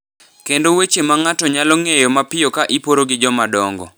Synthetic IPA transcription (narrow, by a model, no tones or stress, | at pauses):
kendowet͡ʃemaŋatɔɲalɔŋejɔmapɪjɔkaʔipoɾoɡɪd͡ʒɔmadɔŋɡɔ̰